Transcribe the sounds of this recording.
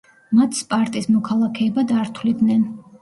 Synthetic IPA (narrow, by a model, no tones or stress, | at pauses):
mat̪ʰspʼaɾt̪ʼismɔkʰalˠakʰɛːbad̪aɾt̪ʰwlid̪nɛn